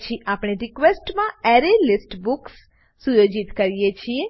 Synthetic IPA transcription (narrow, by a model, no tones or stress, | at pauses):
t͡ʃʰiʔapɽ̃eɾikʋesʈmãɛɾelisʈbuksː | ujod͡ʒit̪kəɾijet͡ʃʰie